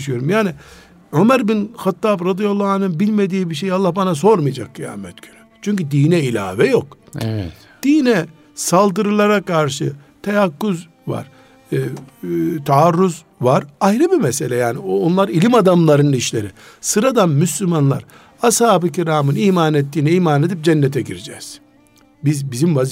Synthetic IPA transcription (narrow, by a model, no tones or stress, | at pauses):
ʃyjo̞ɾumjaːni | ømæɾbinxat̪ʰːaːbɾad̪ijalˠːaːnɯnbilʲme̞d̪iːbiʃ̬ejalˠːahbanas̬o̞ɾmɯjad͡ʒakːija̰ːmɛt̪ɟ̥ønyt͡ʃʰyɲcyd̪iːnɛilʲa̰ːvɛjokɛ | d̪̥iːnɛ | salˠd̪ɯɾɯlˠaɾakʰaɾʃɯt̪ʰejakːuz | va̰ɾ̥ | t̪ʰaːɾːuz | vaɾajnɯbimɛse̞lʲɛjaːnioonlˠaɾilʲimad̪amlˠaɾɯniʃlʲeɾisɯɾad̪anmyslʲymanlˠa̰ɾ | ashaːbɯcʰiɾaːmɯniːmaːnet̪ːiːnɛiːmaned̪ip̚d͡ʒɛnːet̪ʰɛɟiɾid͡ʒɛ̰z̥ | bizbizimva